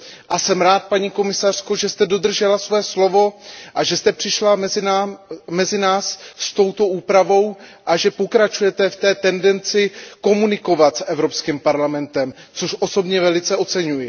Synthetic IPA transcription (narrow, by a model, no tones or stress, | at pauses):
ʔasɛmɾaːt̪̚paɲiːko̞mɪsar̝̥ko̞ʒɛst̪ɛdo̞d̪r̩ʒɛlasvoɛslo̞vo̞ʔaʒɛst̪ɛpr̝̥ɪʃlaɛz | mɛzɪnaːsːt̪o̞wt̪o̞ʔuːpɾavo̞wʔaʒɛpo̞kɾat͡ʃujɛt̪ɛft̪ɛːt̪ɛndɛnt͡sɪko̞munɪko̞vat̪sʔɛvɾo̞pskimpaɾlamɛnt̪ɛm | t͡soʃʔo̞so̞bɲɛvɛlɪt͡sɛʔo̞t͡sɛɲujɪ